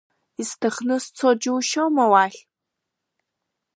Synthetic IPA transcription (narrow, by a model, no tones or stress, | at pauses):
istʰɨχnɨst͡sʰod͡ʒɪwʃowmɐwaːɬ